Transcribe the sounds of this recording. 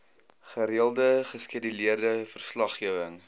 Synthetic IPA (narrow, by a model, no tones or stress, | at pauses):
χəɾiəlˠdəχəskiədəliərdəfərslɐχiəvəŋ